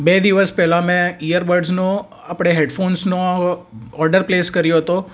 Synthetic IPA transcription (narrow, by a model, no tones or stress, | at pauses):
bed̪iʋəspɛɦlamɛ̃ijəɾbəɾɖzno | apɽ̃eɦeɖfonsno | ɔɾɖəɾpleskəɾjoɦət̪o